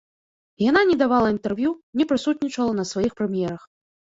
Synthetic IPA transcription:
jananʲɛd̪avalˠɐint̪ɛrvʲjunʲɛpɾɨsut̪ʲnʲit͡ʂɐlˠɐnɐsvajixpɾɨmʲjɛɾɐx

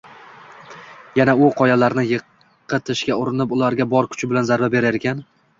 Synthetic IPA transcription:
janaʊqʰɒjalaɾnɪjɨ | ɨt̪ʰɪʃkʲaʊɾɪnɪpʊlaɾɡʲabɒɾkʲʰʊ̥t͡ʃʰɪbɪlanzaɾvabe̞ɾajɾekʲʰan

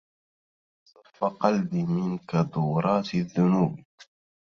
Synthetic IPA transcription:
sˤɑfːaqɑlbimɪnkad̪uːɾˤɑːt̪ðːʊnuːb

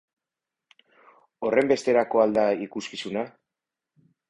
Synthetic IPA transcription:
o̞re̞mbe̞st̪e̞ɾako̞ald̪aikuskisuna

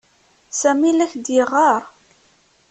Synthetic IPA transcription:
sæmilæçd̪ɪʁɑɾˤ

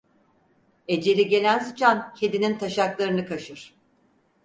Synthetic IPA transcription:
e̞d͡ʒe̞lʲiɟe̞lʲænsɯt͡ʃʰancʰed̪inint̪ʰaʃaklˠaɾɯnɯkʰaʃɯɾ̥

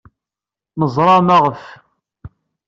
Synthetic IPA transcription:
məzˤɾˤɑmaʁəf

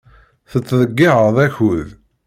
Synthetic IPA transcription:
θət͡sːðəɡːiʕəðˤæçʊð

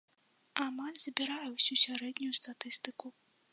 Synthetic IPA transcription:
amalʲz̥bʲiɾajɛwsʲusʲaɾɛd̪nʲujust̪at̪ɨst̪ɨku

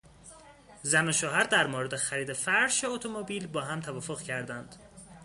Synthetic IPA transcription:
zænoʃoːɦæɾd̪æɾmoːɾe̞d̪exæɾiːd̪efæɾʃeot̪ʰomobiːlbɒːɦæmt̪ʰævɒːfoɣcʰæɾd̪ænd̪̥

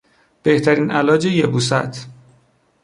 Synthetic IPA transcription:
b̥e̞ht̪ʰæɾiːnʔælɒːd͡ʒejebuːsæ̰t̪ʰ

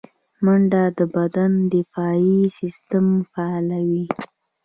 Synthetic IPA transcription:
maɳɖad̪əbad̪and̪ɪfɑisɪst̪amfaɑlawi

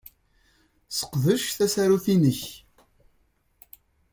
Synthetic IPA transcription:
sə̥qðəʃθæsæɾuθinəç

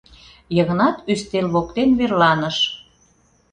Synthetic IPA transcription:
jəɣə̆nɑt̪yst̪elβokt̪enβerlɑnəʃ

